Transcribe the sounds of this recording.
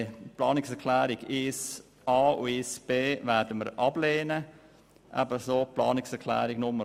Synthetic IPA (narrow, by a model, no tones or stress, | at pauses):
plɑːnɪksɛkʰlæːɾɪɡ̥ɪs | ɑːṵɪsb̥eːvɛɾdəməɾʔɑb̥leːnə | ʔæ̰bəsoːplɑːnɪksɛɾkʰlæ̰ːɾiɡ̥nʊmə